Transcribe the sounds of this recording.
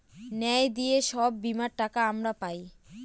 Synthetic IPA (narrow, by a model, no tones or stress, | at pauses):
nɛed̪ijeʃɔbːimaɾʈakaamɾapaj